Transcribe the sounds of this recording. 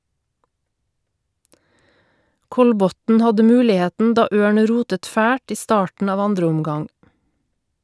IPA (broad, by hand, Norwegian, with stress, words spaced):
ˈkɔlˌbɔtn̩ ˈhɑdə ˈmʉːlɪˌheːtn̩ ˈdɑː ˈøːɳ ˈɾuːtət ˈfæːʈ ˈiː ˈstɑːʈɳ̩ ˈɑːʋ ˈɑndɾəʊmˌɡɑŋ